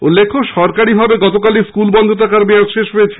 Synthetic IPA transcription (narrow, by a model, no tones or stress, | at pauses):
ulːekʰːoʃɔɾkaɾibʱabeɡɔt̪okaliskulbɔnd̪ʱot̪akaɾbeaʃeʃɦojet͡ɕʰe̥